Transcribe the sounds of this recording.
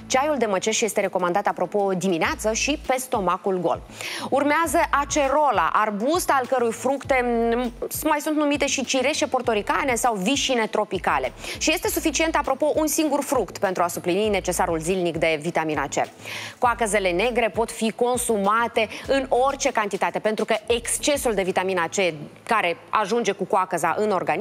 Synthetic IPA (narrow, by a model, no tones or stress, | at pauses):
t͡ʃajuld̪e̞mət͡ʃe̞ʃje̞st̪e̞ɾe̞ko̞mand̪at̪apɾo̞po̞d̪imineat̪səʃipe̞st̪o̞makulɡo̞̰l | urmeazəʔat͡ʃe̞ɾo̞la̰ʔarbust̪alkəɾujfɾukt̪e̞ | majsunt̪numit̪e̞ʃit͡ʃiɾe̞ʃe̞po̞rt̪o̞ɾikane̞sawviʃine̞t̪ɾo̞pikale̞ʃije̞st̪e̞sufit͡ʃie̞nt̪apɾo̞po̞ʔunsiŋɡurfɾukt̪pent̪ɾuasuplinine̞t͡ʃe̞saɾulzilnikd̪e̞vit̪amina̰t͡ʃḛrkoakəze̞le̞ne̞ɡɾe̞po̞t̪fiko̞nsumat̪e̞ɨno̞rʲt͡ʃe̞kant̪it̪at̪e̞pe̞nt̪ɾukəekst͡ʃe̞suld̪e̞vit̪aminat͡ʃe̞kaɾe̞ | a̰ʒund͡ʒe̞kukoakəza̰ʔɨno̞rɡan